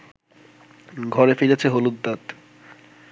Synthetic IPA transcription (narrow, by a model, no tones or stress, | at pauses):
ɡʱɔɾefelet͡ɕʰeɦolud̪ːat̪